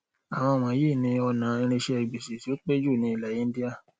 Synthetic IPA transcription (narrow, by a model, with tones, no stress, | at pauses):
a˨w̃ɔ̃˧˨mã˨˦je˦˨nĩ˧˦ɔ˧nã˨ĩ˧ɾ̃ẽ˧ʃe˧ɛ˨ɡ͡be˨se˨ti˨˦o˦k͡pe˦d͡ʒu˦˨nĩ˧˦i˦˨la˨jĩ˦n˦di˦a˦˨